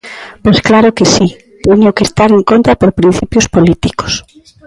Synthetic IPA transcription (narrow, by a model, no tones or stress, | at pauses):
pojsklaɾokesi | t̪eɲokest̪aɾeŋkõnt̪ɾapoɾpɾin̟θipjʊspolit̪iko̥s